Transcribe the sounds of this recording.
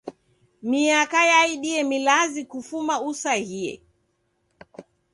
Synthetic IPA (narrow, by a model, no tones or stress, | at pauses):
miakajaiɗiɛmilazikufumausahiɛ̰